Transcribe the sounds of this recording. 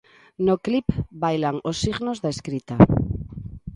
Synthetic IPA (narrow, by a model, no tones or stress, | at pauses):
noklipbajlaŋosːiɣnozðaeskɾit̪a